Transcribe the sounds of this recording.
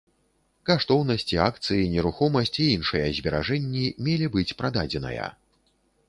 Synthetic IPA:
kaʂt̪ɔwnɐsʲt͡sʲiak̚t̪sɨjinʲɛɾuxɔmɐsʲt͡sʲiinʂɨjɐzʲbʲɛɾaʐɛnʲːimʲelʲibɨt͡sʲpɾad̪ad͡zʲɛnɐ̰jɐ̰

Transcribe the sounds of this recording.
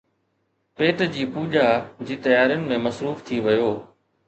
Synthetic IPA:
peːʈd͡ʑiːpuːʄaːd͡ʑiːt̪ɐjaːɾijənɪ̆mẽmɐsɾuːft̪ʰiʋɐjoː

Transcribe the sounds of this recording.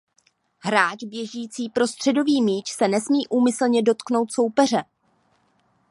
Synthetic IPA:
ɦɾaːt͡ʃbjɛʒiːt͡siːpɾo̞st̪r̝̥ɛdo̞viːmiːt͡ʃsɛnɛsmiːʔuːmɪsl̩ɲɛdo̞t̪kno̞wt̪so̞wpɛr̝ɛ

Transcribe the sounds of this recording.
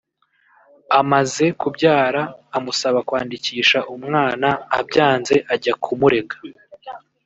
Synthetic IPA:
amaze̞kubɟaːɾaːmusaβakwaːndiciːʃaʔumŋaːnaːbɟaːnze̞ʔaɟakʰumuɾe̞ɡḁ

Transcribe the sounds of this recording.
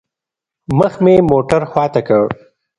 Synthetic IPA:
məxmemoːʈəɾxwɑːt̪akəɽ

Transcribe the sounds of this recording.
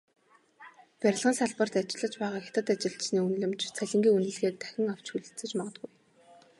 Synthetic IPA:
pæɾʲɪ̆ɮʁə̆nsaɮpə̆r̥t̪at͡ɕɪ̆ɮə̆t͡ɕpæːʁaːxʲḁt̪ə̆t̪at͡ɕɪ̆ɬsniːunɮɘ̆mt͡ɕt͡sʰæɮʲɪ̆ŋɡʲiːunɘ̆ɮɣeːk̚t̪ʰæ̥xʲɪ̆ŋaw̥t͡ɕxuɮɘ̆t͡sɘ̆t͡ɕmɔʁɞ̆t̪̚ɡuj

